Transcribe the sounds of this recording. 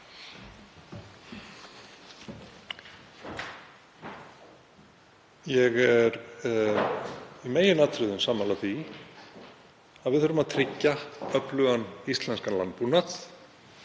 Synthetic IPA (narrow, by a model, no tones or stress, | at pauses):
jɛɣɛɾ | imeːjɪnat̪ʰɾʏðʏnsaːmalaθi | aðvɪðœɾʏmaðt̪ʰɾɪcːaœplʏɣanist̪lɛnskanla̰nt̪punat̪